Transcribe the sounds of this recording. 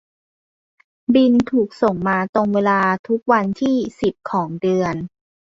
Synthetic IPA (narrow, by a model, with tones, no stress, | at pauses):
bi˧nt̪ʰuː˨˩k̚so˨˩ŋmaː˧t̪o˧ŋweː˧laː˧t̪ʰu˦˥k̚wa˧nt̪ʰiː˥˩si˨˩p̚kʰɔː˩˦ŋdɯ˧ən